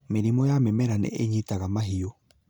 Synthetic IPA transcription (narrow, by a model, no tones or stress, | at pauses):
meɾimɔjamɛmɛɾanɛ̰ʔeɲitaɣamaɦio